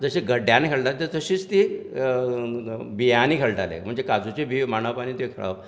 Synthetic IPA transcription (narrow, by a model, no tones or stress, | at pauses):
d͡zəɕeɡəɖjanikʰeɭʈalet̪əɾt̪əɕiːt͡st̪i | bijaniːkʰeɭʈalḛm̤əɳd͡zekad͡zut͡ɕebʱimaɳ̃əʋpañiːt̪ekʰḛɭa̰